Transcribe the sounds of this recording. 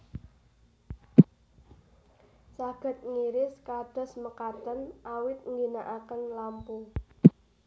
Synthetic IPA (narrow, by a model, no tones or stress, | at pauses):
saɡ̥ə̤t̪̚ŋiɾɪskad̪̥ɔ̤sməkat̪ənawɪt̪̚ŋɡinaʔakənlampu